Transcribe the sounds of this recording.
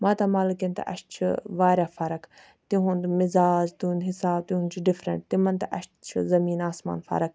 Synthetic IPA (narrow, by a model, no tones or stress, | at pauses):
mãːt̪ɐmaːlukẽnt̪ɐ̰ʔɐ̰ʃt̪t͡ʃʰṵʋaːɾjaːfɐɾɐk | t̪iɦũnd̪mɪzaːd͡ʒt̪uũnd̪ɦɪsaːb̚t̪ĩɦunt͡ʃʰuɖɪfɾɐ̰ɳʈ̚t̪imɐnt̪ɐʔɐʃt̪t͡ʃʰṵzɐmiːnaːsma̰ːnfɐ̰ɾɐk̚